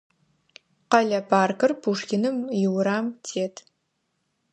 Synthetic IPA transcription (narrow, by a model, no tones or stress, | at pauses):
qɐɮɐpʰaːrkɨrpʰuʂkʲɪnɨmjɪwɾaːmtʰeːtʰ